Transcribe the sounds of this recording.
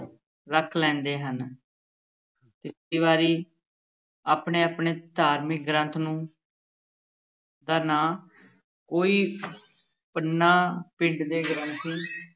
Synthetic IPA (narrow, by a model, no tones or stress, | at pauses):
ɾəkʰlɛ̃ːnd̪eːɦən | t̪ɪsiːβaːɾiː | aːpɳeːaːpɳeːd̪ʱaːɾmɪk̚ɡɾə̃nt̪ʰnũː | d̪aːnaː | koːiː | pənːaːpɪ̃ɳɖd̪eːɡɾə̃nt̪ʰiː